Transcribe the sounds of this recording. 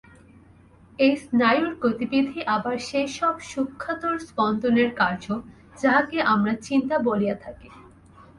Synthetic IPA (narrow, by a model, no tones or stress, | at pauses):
ejsnajuɾkɾot̪ibid̪ʱiʔabaɾʃejʃɔbʃukʰːat̪oɾspɔnd̪oneɾkaɾd͡ʑo | d͡ʑaɦakeʔamɾat͡ɕint̪aboliat̪ʰake